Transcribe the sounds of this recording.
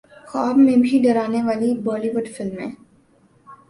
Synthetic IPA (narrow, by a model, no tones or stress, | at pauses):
xaːbmẽbʱiɖɐɾaːneʋaːlibɔːliʋʊɖfɪlmɦɛ̰̃ː